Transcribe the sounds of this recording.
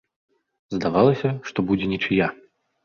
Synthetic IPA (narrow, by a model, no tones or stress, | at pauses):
zd̪avalˠɐsʲɐʂt̪ɔbud͡zʲɛnʲɛt͡ʂɨja